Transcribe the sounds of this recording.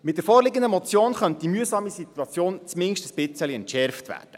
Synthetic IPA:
mɪt̚d̪əɾfɔːɾlɪɡəndəmɔt͡sjoːnχœnt̚d̥̪imyəsɑːmisit̪uɑt͡sjoːnt͡smɪŋʃtəsb̥ɪt͡səliɛntʃɛɾftʋæ̰ːd̥ə̥

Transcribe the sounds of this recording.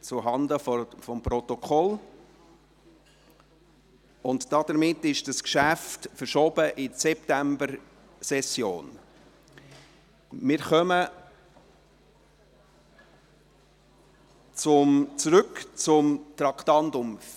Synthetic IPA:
t͡sʊɦɑndəfɔfɔmprɔtɔkʰɔl | ʊntd̥ɑd̥əɾmɪtːɪʃd̥ɑskʃæftfəɾʃɔb̥əʔɪsɛptæmbəɾ | sɛsjo̰ːn | mɪːɾχœmə | t͡sʊmt͡sɾʏkt͡sʊmt̪ɾɑkʰtɑntʊm

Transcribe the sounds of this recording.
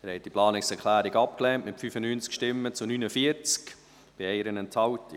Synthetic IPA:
æɾhɛt̚d̥iplɑːnɪksɛɾkʰlæːɾɪɡɑp̚klɛntmɪtfyfənyːnt͡skʃtɪmːət͡sunyːnəfiəɾt͡sk | b̥ɪɛɪɾənɛntʰhɑwt

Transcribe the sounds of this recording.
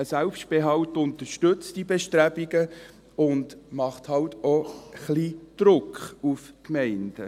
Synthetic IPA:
əsælpʃtb̥eɦɑwtʊnt̪əʃtɵt͡sd̥ibeʃtɾæbiɡə | ʊnd̥mɑχt̪hɑwtoχliːd̪̥ɾʊkχufkmɛɪnd̥ə

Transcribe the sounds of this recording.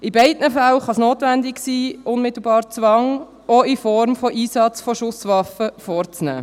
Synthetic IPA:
ɪbɛɪdnəfælχɑsnoːtʋændɪksiːʔʊnmɪt̪l̩bɑːɾt͡sʋɑŋ | ɔɪfɔɾmfɔʔiːsɑt͡sfɔʃʊsʋɑfəfɔɾt͡snæ̰ː

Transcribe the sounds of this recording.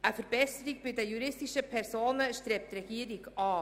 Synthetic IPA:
ʔəfəɾbɛsəɾiɡ̚bɪdəjuɾɪstiʃəpʰɛɾsoːnəʃtɾeːp̚trɛɡ̥iəɾiɡɑː

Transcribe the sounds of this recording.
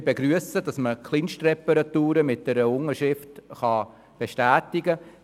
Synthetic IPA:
beɡɾyəsəd̥ɑsməkχlinʃtrɛpəɾɑtuːɾəmɪt̚d̥ɛɾəʊŋəʃɪftχɑ | b̥eʃtæːtɪɡə

